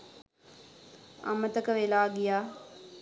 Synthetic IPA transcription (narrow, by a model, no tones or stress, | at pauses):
a̰mət̪əkəʋelaːɡijaː